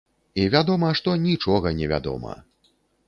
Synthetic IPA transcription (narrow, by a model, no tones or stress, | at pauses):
ivʲad̪ɔmɐʂt̪ɔnʲit͡ʂɔɣɐnʲɛvʲa̰d̪ɔ̰mɐ̰